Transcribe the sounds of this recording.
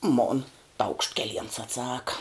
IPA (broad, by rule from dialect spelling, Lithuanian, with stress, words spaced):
moːn tɐʊkʃt kʲɛˈlʲiɛns ɐtˈsɑːkɐ